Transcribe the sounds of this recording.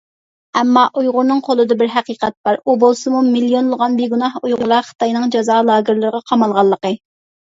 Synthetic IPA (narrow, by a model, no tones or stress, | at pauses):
ɛmːɑʔujʁʊɾnɨŋqʰolˠɨd̪ɑbɪɾɦæqiqɛt̪̚b̥ɑɾubolˠsɨmumilijonlˠəʁɑnbeɡunɑhujʁʊɾlˠɑχə̥t̪ɑjnɨŋd͡ʒɑzɑːlˠɑːɡɪɾlˠɨɾəʁɑqʰɑmɑlˠʁɑlˠːəqə